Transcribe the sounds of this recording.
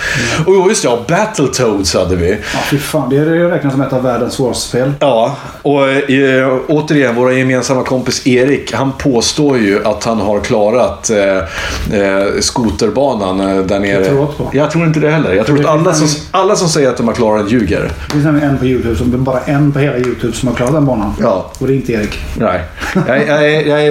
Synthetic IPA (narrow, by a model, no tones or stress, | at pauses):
juːjɵst̪ɛbæt̪ʰəlt̪ʰoʊd̪shad̪ːəvɪfɪfaːnd̪ɛæɾɛɾɛːknasɔmɛːt̪avæːɖənsvoːɾapeːlɑː | ɔ | oːt̪əɾɪjɛnvoːɾajɛmeːnsamːakʰɔmpɪseːɾɪkhanpʰoːst̪oːɾjɵʔat̪hanɦaɾkʰlɑːɾat̪ | skuːt̪əɾbɑːnand̪æɳeːɾəɾuot̪pʰɔjɑːt̪ʰɾuːɾɪnt̪əd̪ɛhɛlːə̰ɾjɑɡt̪ʰɾuːɾat̪alːasɔ | alːasɔmsɛjːəɾat̪̚d̪ɔmhæɾkʰlɑːɾad̪ɛnjʉ̟ːɡə̰ɾd̪ɛ̥fɪnsnɛmlɪə̃ɛnpʰɔjʉ̟ːt̪ʰʉːbsɔmbɑːɾaʔɛnːpɔheːlajʉːt̪ʰʉːbsɔmhaɾklɑːɾat̪d̪ɛnbɑːnanjɑːɔd̪ɛɪnt̪əeːɾɪknæ | jajɑɛjɑæ